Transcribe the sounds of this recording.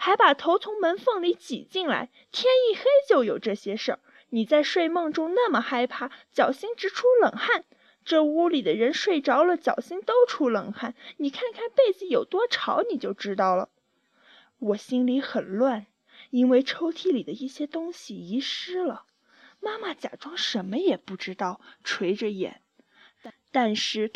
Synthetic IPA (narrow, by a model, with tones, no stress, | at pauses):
xa˧˥ɪpa˨˩t̪ʰo˧˥ʊt͡sʰʊ˧˥ŋmə˧˥nfɤ˥˩ŋli˧˥t͡ɕḭ˨˩t͡ɕi˥˩ŋla̰˧˥ɪt̪ʰjɛ˥ni˥˩xe˥ɪt͡ɕjo˥˩ʊjo˨˩ʊʈ͡ʂɤ˥˩ɕjɛ˥ʂə̰˥˩ | ni˨˩t͡sa˥˧ɪʂwe˥˧ɪmɤ˥˩ŋʈ͡ʂʊ˥ŋna˥˩mə˩xa˥ɪpʰa˥˩t͡ɕjɑ˨˩ʊɕi˥ŋʈ͡ʂɻ̩˧˥ʈ͡ʂʰu˥lɤ˨˩ŋxa˥˩n | ʈ͡ʂɤ˥˩u˥li˨˩d̪ə˦ɻə˧˥nʂwe˥˩ɪʈ͡ʂɑ˥ʊlə˨t͡ɕjɑ˨˩ʊɕi˥ŋt̪o˥ʊʈ͡ʂʰu˥lə˨˩ŋxa˥˩nni˨˩kʰa˥˧nkʰa˥˧npe˥˩ɪd͡zɹ̩˧˩jo˨˩ʊt̪wɔ˥ʈ͡ʂʰɑ˧˥ʊni˨˩t͡ɕjo˥˩ʊʈ͡ʂɻ̩˥t̪ɑ˥˩ʊlə̰˩ | wɔ˨˩ɕi˥nli˧˥xə˨˩nlwa˥˩n | i˥nwe˥˩ɪʈ͡ʂʰo˥ʊt̪ʰi˥li˨˩d̪ə˦i˥˩ɕjɛ˥t̪ʊ˥ŋɕi˨i˧˥ʂɻ̩˥lə˨ | ma˥ma˥˩t͡ɕja̰˨˩ʈ͡ʂwɑ˥ŋʂə˧˥nmə˧jɛ˨˩pu˥˩ʈ͡ʂɻ̩˥t̪ɑ˥˩ʊʈ͡ʂʰwe˧˥ɪʈ͡ʂə˧jɛ̰˨˩˦n | t̪a˥˧nʂɻ̩˥˩